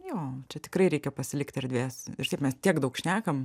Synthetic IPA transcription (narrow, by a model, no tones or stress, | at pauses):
joːt͡ʃʲɛt̪ʲɪ̥kɾɐɪɾʲɛɪkʲɛpɐsʲɪlʲɪkt̪ʲɪɾd̪ʲʋʲeːsɪ̰rt̪ɐɪpmʲɛst̪ʲiɛkd̪ɐʊkʃʲnʲæːkɐm